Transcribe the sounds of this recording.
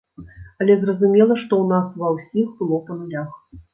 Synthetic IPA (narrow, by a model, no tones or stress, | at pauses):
alʲɛzrɐzumʲɛlˠɐʂt̪ɔunasvɐwsʲixbɨlˠɔpɐnulʲax